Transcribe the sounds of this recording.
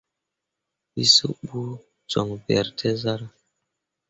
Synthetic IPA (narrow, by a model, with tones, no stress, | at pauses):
i˦su˦bu˦ | d͡ʒɔ˨ŋbɛ˨ɾtʰe˦za˦ɾa˦